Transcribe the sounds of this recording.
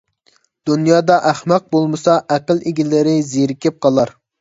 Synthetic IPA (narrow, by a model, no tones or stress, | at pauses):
d̪̥unjɑːd̪ɑʔæχmɑq̚bolˠmɨsɑʔæqəlˠeɡʲilɪɾɪzeɾɪkʲɪp̚qʰɑlˠɑɾ